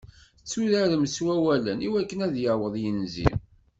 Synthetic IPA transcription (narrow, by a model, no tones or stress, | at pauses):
t͡sːuðæðmswæwæləniwækːənæðjəwəðˤjənzḭm